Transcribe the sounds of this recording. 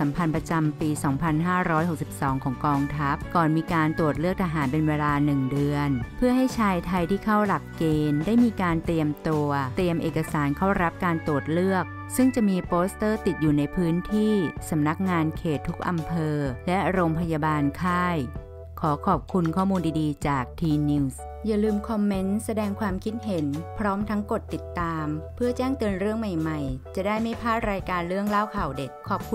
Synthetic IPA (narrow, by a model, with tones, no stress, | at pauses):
sa˩˦mpʰa˧npɾa˧t͡ɕa˧mpiː˧sɔː˩˦ŋpʰa˧nɦaː˥˩ɾɔː˦˥jɦo˨˩k̚si˨˩p̚sɔː˩˦ŋkʰɔː˩˦ŋkɔː˧ŋt̪ʰa˦˥p̚kɔː˨˩nmiː˧kaː˧nt̪u˨˩ət̪̚lɯ˥˩ək̚t̪ʰa˧ɦaː˩˦npe˧nweː˧laː˧nɯ˨˩ŋdɯ˧ənpʰɯ˥˩ɐɦa˥˩jt͡ɕʰaː˧jt̪ʰa˧jt̪ʰiː˥˩kʰa˥˩wla˨˩kːeː˧ndaː˥˩jmiː˧kaː˧nt̪ɾi˧əmt̪u˧ɐt̪i˧əmʔeː˨˩ka˧saː˩˦nkʰa˥˩wɾa˦˥p̚kaː˧nt̪u˨˩ət̪̚lɯ˥˩ək̚ | sɯ˥˩ŋt͡ɕa˨˩ʔmiː˧poː˦˥st̪ɤː˥˩t̪i˨˩t̪̚juː˨˩na˧jpʰɯː˦˥nt̪ʰiː˥˩sa˩˦mna˦˥k̚ŋaː˧nkʰeː˨˩t̪ʰːu˦˥k̚ʔa˧mpʰɤː˧lɛ˦˥ʔa˧ɾo˧mpʰa˧jaː˧baː˧nkʰaː˥˩j | kʰɔː˩˦kʰɔː˨˩p̚kʰu˧nkʰɔː˥˩muː˧ndiː˧diː˧t͡ɕaː˨˩k̚t̪ʰiː˧niː˧˥ws | ja˨˩lɯː˧mkʰɔ˧mːe˦˥nsa˧dɛː˧ŋkʰwaː˧mkʰi˦˥t̪̚ɦe˨˩˦npʰɾɔː˦˥mt̪ʰa˦˥ŋko˨˩t̪ːi˨˩t̪ːaː˧mpʰɯ˥˩ɐt͡ɕɛː˥˩ŋt̪ɯː˧ənɾɯ˥˩əŋma˨˩jma˨˩jt͡ɕa˨˩daː˥˩jma˥˩jpʰaː˥˩t̪̚ɾaː˧jkaː˧nɾɯ˥˩əŋlaː˥˩wkʰa˨˩wde˨˩kʰːɔː˨˩p̚kʰu˧